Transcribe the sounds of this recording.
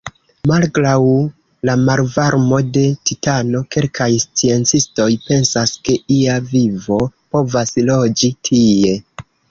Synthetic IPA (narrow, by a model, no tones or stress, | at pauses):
malɡɾaw | lamalvaɾmo̞de̞titano̞ke̞lkʰajst͡sie̞nt͡sisto̞jpe̞nsaske̞ʔiavivo̞po̞vaslo̞d͡ʒitʰie̞